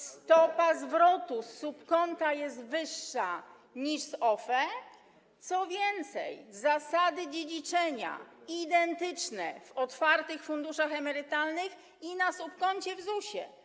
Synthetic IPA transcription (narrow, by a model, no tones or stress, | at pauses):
st̪ɔpazvɾɔt̪usupkɔnt̪ajɛst̪vɘʂːa | ɲiʂsɔfɛ | t̪sɔvʲjɛnt̪sɛ̰jzasad̪ɘd͡ʑed͡ʑit͡ʂɛɲa̰id̪ɛnt̪ɘt͡ʂnɛ̰vɔt̪faɾt̪ɘxfund̪uʂaxɛmɛɾɘt̪alnɘx | inasupkɔɲt͡ɕɛvzuɕɛ̰